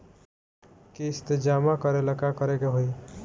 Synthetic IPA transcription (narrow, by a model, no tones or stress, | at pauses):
kiɪst̪ed͡ʒaːmakəɾeləkakəɾekeɦoi